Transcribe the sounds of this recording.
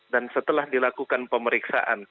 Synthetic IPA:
dansət̪əlahdilakukanpəməɾiksa̰ʔa̰n

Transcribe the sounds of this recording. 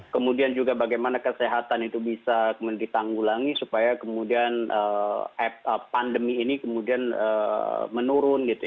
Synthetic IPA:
kəmudiand͡ʒuɡabaɡajmanakəseɦat̪anit̪ubisakəmudit̪aŋɡulaŋisupajakəmudianəɛəpandəmiːnikəmudianəmənuɾʊnɡit̪u

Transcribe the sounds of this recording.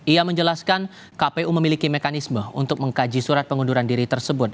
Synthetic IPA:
iaməɲd͡ʒəlaskan | kapeʔuməmilikimekanisməṵnt̪ʊk̚məŋkad͡ʒisuɾat̪̚pəŋunduɾandiɾit̪ərsəbʊt̪̚

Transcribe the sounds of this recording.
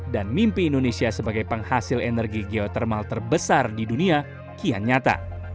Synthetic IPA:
danmimpiːndonesiasəbaɡajpəŋhasɪlenərɡiɡeot̪ɛrmalt̪ərbəsardidunia | kia̰nɲat̪a̰

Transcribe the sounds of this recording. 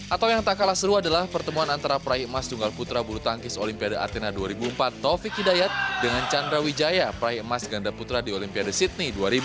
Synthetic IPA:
ʔat̪awjaŋt̪akalasəɾuadalahpərt̪əmuanant̪aɾapɾaiəmast̪uŋɡalput̪ɾabulut̪aŋkɪsolimpiadaʔa̰t̪enaduaɾibuəmpat̪ːofikidajat̪̚dəŋant͡ʃand̪ɾawid͡ʒajapəɾaɦiəmasɡandaput̪ɾadiolimpiadasit̪̚niduaɾibu

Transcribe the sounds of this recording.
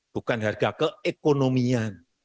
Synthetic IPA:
b̥ṳkanɦarɡ̥akəekonomian

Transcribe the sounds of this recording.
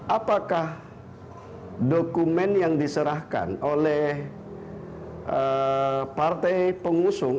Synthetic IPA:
ʔapakah | dokumɛnjaŋdisəɾahka̰nolɛh | ʔəpart̪ɛjpəŋusʊŋ

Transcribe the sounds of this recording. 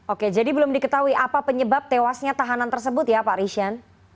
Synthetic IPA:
oked͡ʒadibəlʊmdikət̪aɦuiʔapapəɲəbap̚t̪ewasɲat̪aɦanant̪ərsəbʊt̪japaɾiʃian

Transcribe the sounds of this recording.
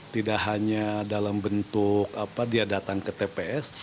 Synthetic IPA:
t̪idaʔɦaɲadalambənt̪ʊkapadiadat̪aŋkət̪epeɛs

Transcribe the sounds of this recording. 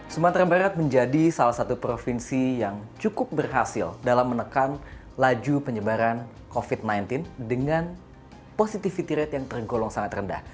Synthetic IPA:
sumant̪ɾabaɾat̪̚məɲd͡ʒadisalahsat̪upɾofinsijaŋt͡ʃukʊp̚bərɦasɪ̰ldalamːənəkan | lad͡ʒupəɲəbaɾan | kofit̪̚najnt̪ɪndəŋan | posit̪ifit̪iɾɛt̪jaŋt̪ərɡolɔŋsaŋat̪rənda̰h

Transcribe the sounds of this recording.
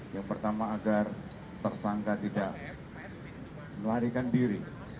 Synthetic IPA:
jaŋpərt̪amaːɡar | t̪ərsaŋkat̪idaʔ | məlaɾikandiɾi

